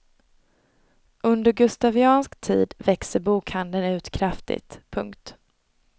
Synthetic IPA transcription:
ʔɵnd̪əɾɡɵst̪avɪɑːnskt̪ʰḭːd̪vɛksəɾbuːkhand̪ənʉ̟ːt̪kʰɾaft̪ɪ̰t̪pʰɵŋkt̪

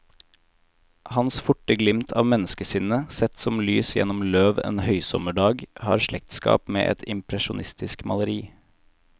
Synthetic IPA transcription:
hɑnsfʊʈəɡlɪmt̪ʰɑːʋmɛnəskəsɪnəsɛt̪sɔmlyːsjɛ̰nɔmløːʋḛːnhœʏsɔ̰məɖɑːɡhɑ̰ːɾʃɭɛk̚t̪skɑ̰ːpmḛːʔɛ̰t̪ʰɪmpʰɾɛʃʊnʔɪst̪ɪskmɑləɾiː

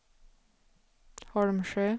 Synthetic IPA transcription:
hɑɽmʃøː

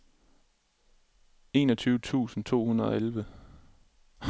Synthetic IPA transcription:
e̝̰ːnɒt͡sʰyːʊət͡sʰṵːsn̩t͡sʰo̝̰ːhunɐð̩ˠɒ̽elʋə

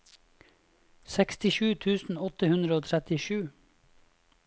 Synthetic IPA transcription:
sɛkst̪ɪʃʉːt̪ʰʉːsn̩ɔt̪əhʉnd̪ɾəoːt̪ʰɾɛt̪ɪʃʉː

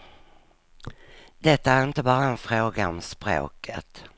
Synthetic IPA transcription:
d̪ɛt̪ːaæɾɪnt̪əbɑːɾaɛnfɾoːɡaɔmspɾo̰ːkʰə̰t̪

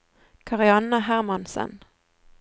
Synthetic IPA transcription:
kʰɑʁɪɑnəhæʁmɑnsə̰n

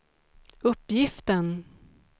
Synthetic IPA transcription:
ɵpːjɪft̪ən

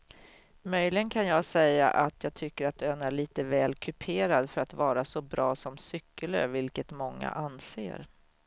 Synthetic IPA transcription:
mœjlɪɡənkʰanjɑːɡsɛjːa̰ʔat̪ʰjɑːt̪ʰʏkːəɾat̪̚øːnæɭiːt̪əvɛːlkʰɵpʰeːɾad̪fœɾat̪vɑːɾasɔbɾɑːsɔmsʏkːələ̰ɾvɪlkət̪mɔŋːa̰ʔansḛːɾ

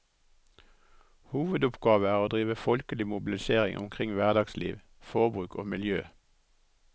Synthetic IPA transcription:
huːʋəd̪ʊpɡɑːʋəæːʁoːd̪ʁiːʋəfɔlkəlɪmʊbɪl̩ɪseːʁɪ̰ŋʔʊ̰mkʰʁɪŋʋæʁd̪ɑɡslḭːʋ | fɔʁbʁʉːkʰo̰ːmɪljøː

